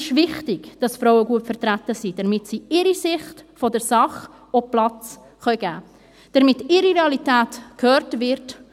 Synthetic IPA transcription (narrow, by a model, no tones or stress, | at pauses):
ɪʃvɪχtɪɡ̥d̥ɑsfɾɔʊəɡuəpfəɾtɾætəsid̥ɛɾmɪtsiɪɾisɪχtfɔdəɾsɑχ | ɔplɑt͡s | χœʏɡæː | d̥əɾmɪtɪɾiʁeɑlitæːtkhøːɾtvɪɾt